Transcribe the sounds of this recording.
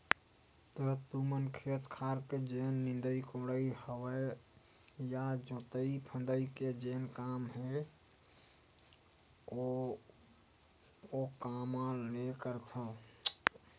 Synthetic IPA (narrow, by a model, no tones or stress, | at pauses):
t̪ət̪umənkʰeːt̪kʰaːɾked͡ʒenːɪ̃nd̪əikoɽəihəwə | jad͡ʒot̪əipʰə̃nd̪əiked͡ʒenkaːmɦe | o | okamãlekəɾt̪ʰə